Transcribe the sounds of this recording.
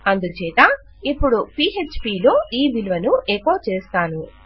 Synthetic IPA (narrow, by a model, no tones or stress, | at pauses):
ɐnd̪ut͡ʃɛːt̪a | ipːuɽupiːet͡ʃpiːlo̞ːʔiːbilʋɐnueːkoːt͡ʃeːst̪aːnu